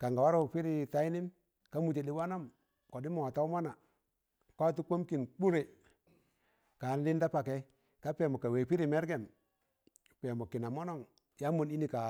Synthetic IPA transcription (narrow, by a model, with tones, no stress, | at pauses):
ka˨ŋɡa˨wa˦ɾo˦˨pi˦ɾi˦˨ta˦i˦nɪ˦m | ka˦mu˨t͡ʃe˨di˦wa˦na˦m | kɔ˨di˦mɔ˨wa˨ta˦ma˦na˨ | kʷa˦tu˦ko˦mki˨nk͡pu˦ɾe˨ | kaː˨n˦lɪ˦nda˦pa˨kɛ˨˦ | ka˦pɛ˨mɔ˨ka˨we˨pi˦ɾi˨mɛ˦ɾɡɛ˨n | pɛ˨mɔ˨kɪ˨na˨mɔ˦nɔ˦˨ŋ | ja˦mu˨ni˦ni˨ka˨